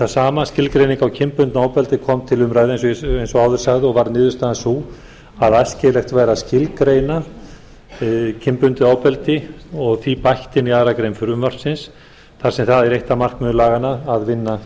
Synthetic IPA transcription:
θasaːmascɪlkɾejniŋkawcʰɪmpʏnt̪naːwpɛlt̪ɪkʰɔmt̪ʰɪlʏmɾajðɪejns̬ejnsɔaːwðʏɾ̥saɣðɪɔɣvaɾnɪːðʏst̪aːansu | aðajscɪlɛxt̪vaːjɾascɪlkɾeːjna | cʰɪmpʏnt̪ɪaːwpɛlt̪ɪɔɣθipajht̪ɪniaːðɾakɾejnfʏɾʏmœr̥t̪sɪns | θaɾsɛmθaðɛɾejht̪amar̥kmʏðʏlaːɣanaːðvɪnːa

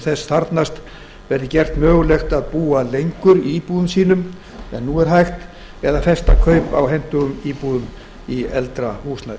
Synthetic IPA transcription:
θɛsθaɾt̪nast̪ | vɛɾðɪcɛr̥t̪mœːɣʏlɛxt̪aðpuːalejŋkʏɾiiːpuːðʏmsiːnʏm | ɛnːuɛɾ̥ɦajxt̪ | ɛðafɛst̪a̰kʰœɥpa̰wɦɛn̥t̪ʏɣʏmiːpuːðʏm | iɛlt̪ɾahuːsla

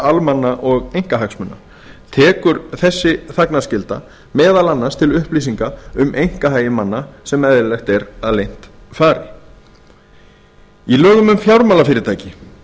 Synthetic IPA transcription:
almanːaʔɔɣejŋ̥kaɦaksmʏnːa̰ | t̪ʰɛːkʏɾθɛsːɪθaknascɪlt̪a̰ | mɛːðalanːast̪ʰɪlʏhpliːsiŋkaʏmʔejŋ̥kaɦaːjɪmanːasɛmɛðɪlɛxt̪ɛɾaðlejn̥t̪faːɾɪ | ilœːɣʏmʏmfjawɾmaːlafɪːɾɪt̪ʰaːjcɪ

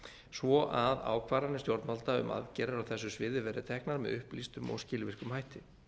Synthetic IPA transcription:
svɔʔaða̰ːwkʰvaːɾanɪst̪jowɾt̪nmalt̪aʏ̰mʔa̰ðcɛːɾaɾawθɛsːʏsvɪðɪvɛɾɪt̪ʰɛhknaɾmɛ̰ðʏhplist̪ʏmɔ̰ɣscɪːlvɪr̥kʏmhajht̪ɪ

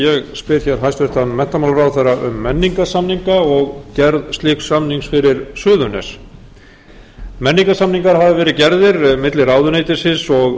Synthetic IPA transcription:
jɛɣspɪɾçɛɾ̥ɦajst̪vɪht̪anmɛn̥t̪amaːlɾaːwθeɾaʔʏ̰mːɛnːiŋkasamniŋkaɔɣcɛɾðst̪lɪksamniŋksfɪɾɪɾsʏːðʏnɛ̰s | mɛnːiŋkasamniŋkaɾ̥havɪvɛːɾɪcɛɾðɪɾmɪt̪lɪɾaːwðʏnejt̪ɪsɪnsɔɣ

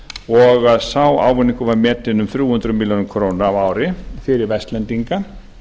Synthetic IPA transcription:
ɔɣaðsawa̰ːwvʏnːiŋkʏvaɾmɛːt̪ɪnʏmθɾjuːhʏnt̪ɾʏmiljoːnʏmkʰɾoːwnaavaːwɾɪfɪɾɪɾvɛst̪lɛnt̪iŋka

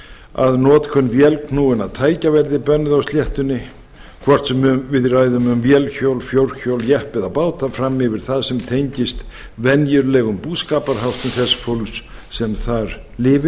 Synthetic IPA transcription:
a̰ðnɔːt̪kʰvœnːvjɛlkʰnuɪnaðt̪ʰaːjcavɛɾðɪpœnːʏðawst̪ljɛht̪ʏnːɪ | kʰvɔr̥t̪sɛmʏmvɪðraːjðʏmʏmvjɛlçowlfjowɾ̥çowljɛhpɪðapaːwt̪afɾamːɪvɪɾ̥θaðsɛmt̪ʰejɲcɪst̪ | vɛnjʏɾlɛɣʏmpuːðskaːpaɾ̥hawht̪ʏmθɛsfowlssɛmθaɾ | lɪːvɪ

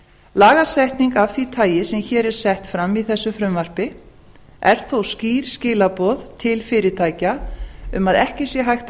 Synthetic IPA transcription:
laːɣasɛht̪niŋkafθvit̪ʰaːjɪsɛmçɛːɾɛɾ̥sɛht̪fɾamːiθɛsːʏfɾʏmvar̥pɪ | ɛ̰ɾ̥θowsciːɾ̥scɪːlapɔðt̪ʰɪlfɪːɾɪt̪ʰaːjcaʏ̰maðɛhcɪsjɛɦajxt̪

